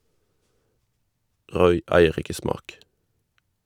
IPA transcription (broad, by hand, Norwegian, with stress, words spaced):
ˈʁɔʏ ˈæɪəʁ ˈɪkə ˈsmɑːk